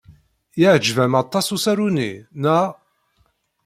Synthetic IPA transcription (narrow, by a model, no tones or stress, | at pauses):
iʕd͡ʒvæmɑt̪ˤːɑsusæɾunḭnæʁ